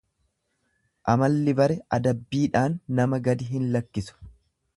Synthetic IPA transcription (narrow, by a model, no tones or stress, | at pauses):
ʔɐmɐlːɪbɐɾɛʔɐd̪ɐbːiːᶑaːnːɐmɐɡɐd̪ɪɦɪnlɐkːɪsʊ̥